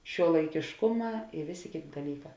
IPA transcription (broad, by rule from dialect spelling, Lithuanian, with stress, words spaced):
ʃʲuɔlˠɐɪkʲeːʃˈkʊˌmɑː ɪ ˈʋʲeːˌsʲeː ˈkʲeːˌtʲeː dɐˈlʲiːˌkɑː